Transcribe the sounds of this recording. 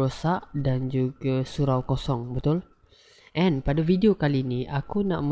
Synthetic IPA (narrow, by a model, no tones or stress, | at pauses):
osaʔdand͡ʒuɡasuɾawkosɔŋbət̪ʊl | ʔɛnpadafideokaliːniʔakunaʔm